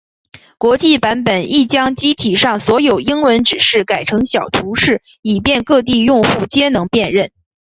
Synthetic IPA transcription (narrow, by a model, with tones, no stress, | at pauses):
kwɔ˧˥t͡ɕi˥˩pa˧˥npə˨˩˦ni˥˩t͡ɕjɑ˥ŋt͡ɕi˥t̪ʰi˨˩ʂɑ˥˩ŋswɔ˧˥jo˨˩ʊi˥ŋwə˧˥nʈ͡ʂɻ̩˨˩ʂɻ̩˥˩ka˨˩ɪʈ͡ʂʰɤ˧˥ŋɕjɑ˨˩ʊt̪ʰu˧˥ʂɻ̩˥˩ | i˨˩pjɛ˥˧nkɤ˥˧t̪̬i˥˧jʊ˥˧ŋxu˥˩t͡ɕjɛ˥nɤ˧˥ŋpjɛ˥˧nɻə˥˩n